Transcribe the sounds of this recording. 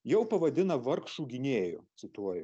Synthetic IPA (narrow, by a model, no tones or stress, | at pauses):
jɛʊpɐʋɐd̪ʲɪnɐʋɐɾkʃuːɡʲɪnʲeːjʊ̰t̪sʲɪt̪uɔjʊ